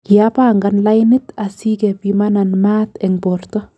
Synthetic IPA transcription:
kjapaŋɡanlajnit̪asiɡɛpimananmaːt̪ɛŋbɔɾt̪ɔ

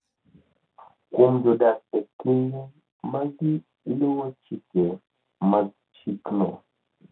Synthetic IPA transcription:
kumd͡ʒodaekine | maɡi | luwat͡ʃike | ma | t͡ʃikno

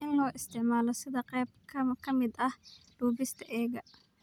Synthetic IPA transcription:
ʔɪnlɔːʔɪst̪ʰɪʕmaːlɔsɪðɐqɛːb̚kʰɐmkʰɐmɪd̪ɐhɖ̥uːbɪst̪ʰɐʔɛːɣɐ

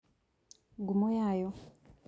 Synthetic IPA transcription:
ɡumojajo

